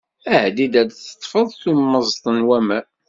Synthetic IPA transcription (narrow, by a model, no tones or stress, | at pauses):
æhd̪id̪æd̪θə̥t̪ˤːfəðˤθummːəzˤt̪ˤənwæmæ